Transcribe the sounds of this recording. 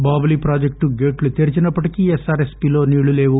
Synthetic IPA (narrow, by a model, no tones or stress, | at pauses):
baːbɐliːpɾaːd͡ʒek̚ʈuɡe̞ːʈlut̪eɾit͡ʃinɐpːɐʈikiesaːɾespiːlo̞ːniːɭule̞ːʋu